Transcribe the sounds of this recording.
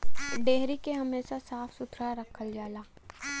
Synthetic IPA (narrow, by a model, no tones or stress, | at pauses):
ɖeːɦɾikeɦɐmeːʃasaːfʰsʊt̪ʰɾaɾəkʰəld͡ʒaːlaː